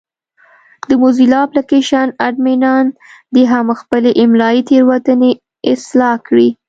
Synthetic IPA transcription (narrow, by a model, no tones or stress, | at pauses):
d̪əmuzilɑplakeʃanaɖminɑnd̪əɦamxpəleʔɪmlɑit̪eɾwat̪əne | ɪslɑkɽi